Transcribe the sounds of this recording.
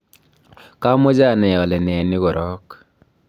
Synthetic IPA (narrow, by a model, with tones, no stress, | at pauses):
ka˦mɔ˦d͡ʒa˦˨nɛ˨jɔ˨lɛ˨nɛ˨nɪ˦ɣɔ˨ɾɔ˦k